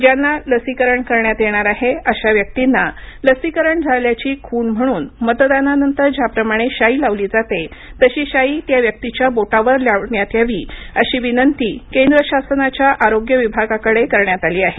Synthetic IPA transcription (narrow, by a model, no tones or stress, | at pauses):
d͡ʑjanːaləsikəɾəɳkəɾɳjat̪jeɳ̃aɾaɦeəɕaʋjək̚t̪inːaləsikəɾəɳd͡zʱaljat͡ɕiːkʰuːɳm̤əɽ̃uːnmət̪d̪ananənt̪əɾd͡ʑjapɾəmaɽ̃eɕailaʋliːd͡zat̪et̪əɕiːɕaiːt̪jaʋjək̚t̪it͡ɕjaboʈaʋəɾljaʋɳjat̪jaʋiːəɕiːʋinənt̪iːkend̪ɾəɕasənat͡ɕjaʔaɾoɡjəʋibʱaɡakəɽekəɾɳjat̪aliːaɦe